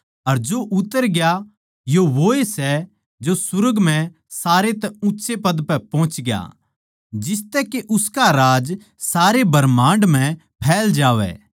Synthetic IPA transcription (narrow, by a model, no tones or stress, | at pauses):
ɐɾd͡ʒoʔʊt̪ːəɾɡja | joʋoːesɛ | d͡ʒosʊɾəɡm̤ɛ̃ | saːɾet̪ɛʊ̃ːʃʰepɐd̪pɛpɔ̃ːʊ̃t͡ʃɡɪja̰ | d͡ʒɪst̪ɛkeʔʊskaɾaːd͡ʒ | saːɾebɐɾmãːɳɖm̤ɛ̃ | pʰɛːld͡ʒaːʋɛ̰